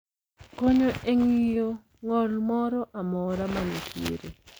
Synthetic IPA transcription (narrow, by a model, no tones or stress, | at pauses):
koɲoʔeŋijo | ŋɔlmɔɾɔʔamɔɾamanekʰjḛɾḛ